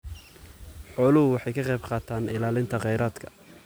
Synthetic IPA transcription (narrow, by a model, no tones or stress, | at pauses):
ħɔːlɐɦʊwɑħɑjkʰɐqɛjbqɑːt̪ʰaːnɪlaːlɪnt̪ʰɐqɛjɾaːd̪kʰɐ̥